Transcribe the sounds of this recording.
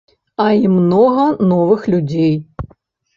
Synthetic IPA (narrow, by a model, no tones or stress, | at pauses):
ɐimnɔɣɐnɔvɨxlʲud͡zʲej